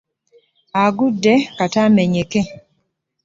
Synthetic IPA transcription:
aɡudɛkatamɛɲeke

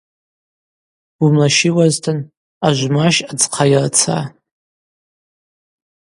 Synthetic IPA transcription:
umlaʃiwaztʰɨn | aʒʷmaʃad͡zqʰajrt͡sʰa̰

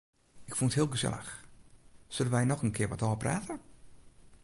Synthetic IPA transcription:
ɪkfunəthɪəlˠɡəsɛ̰lˠə̰x | sødənʋɛjnɔxənkʰɪəʋɔtɔːpraːtə

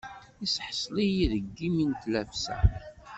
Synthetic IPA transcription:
isħsˤlijiðəɡːimint̪læfsæ̰

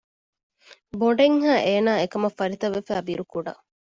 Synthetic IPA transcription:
boɖeŋɦaːʔeːnaːekɐmɐfɐɾit̪ɐʋːefæːbiɾukuɖɐ̰

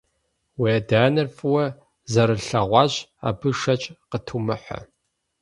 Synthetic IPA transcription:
weɐdaːnɨrfɨwɐ | zɐɾɨɬɐʁʷɑːɕa̰ːbɨʂɐt͡ʃʼqətʰumɨħʷɔ̰

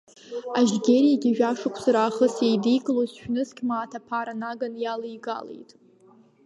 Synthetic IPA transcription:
aʒɡʲerijaɡʲiʒᶣaʂɨkʷʰsaɾaːχəsejdijkʼlozʃᶣnɨskʲʼmaːtʰapʰaɾanaɡanjalejɡa̰lḛjtʼ

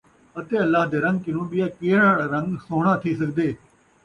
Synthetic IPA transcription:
ət̪eːəlːaːɦd̪eːɾə̃ŋɡ̚kɪnũːɓɪjaːkeːɽaːɽaːɾə̃ŋɡsoːɽ̃aːt̪ʰiːsəkd̪eː

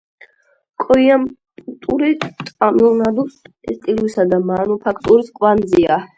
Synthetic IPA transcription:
kʼɔjam | t̪ʼuɾit̪ʼamulnad̪usɛst̪ʼilwisad̪amanupʰakʰt̪ʼuɾiskʼwanzia

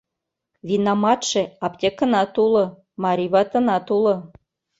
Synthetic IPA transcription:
βinɑmɑt̪ʃĕɑpt̪ʲekə̆nɑt̪ulɤ̆ | mɑɾʲiβɑt̪ə̆nɑt̪ulɤ̆

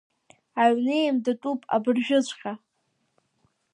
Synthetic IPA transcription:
aɥnejmdatʼupʼa̰bɨrʒᶣʊt͡ɕʷʰʼχʲa

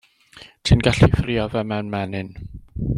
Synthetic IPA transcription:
tʰinɡaɬifriɔvɛmɛnmɛnɨn

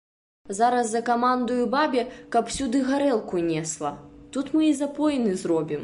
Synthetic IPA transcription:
zaɾɐzːɐkamand̪ujubabʲɛkɐpw̥sʲud̪ɨɣaɾɛlˠkunʲɛslˠɐt̪ut̪mɨizapɔjnɨzɾɔbʲim

